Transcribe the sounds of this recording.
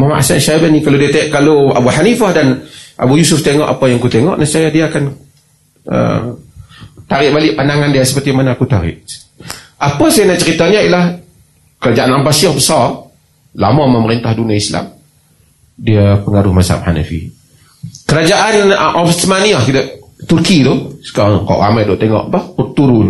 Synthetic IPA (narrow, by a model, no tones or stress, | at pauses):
mama̰ʔsanʃabanikalodiət̪ʔkaloa̰buħanifahdanʔa̰bujusʊft̪eŋɔʔapajaŋkut̪eŋɔ̰ʔnasajadiaːkan | ə̰ | t̪aɾɪʔ̚balɪʔpandaŋandiəsə̥pərt̪imanaːkut̪aɾɪ̰ʔ | ʔapasajanaʔt͡ʃəɾit̪aɲailah | kəɾad͡ʒaʔanambasiɔhbəsar | la̰maməməɾint̪ahduniaisla̰m | diapəŋaɾʊhmasa̰mha̰na̰fḭ | kəɾad͡ʒaʔanʔɔfsəmaniahkidəʔt̪urkit̪ʊsə̥kaakɔ̰ʔra̰majdɔʔt̪eŋɔ̰ʔpahbərt̪uɾʊn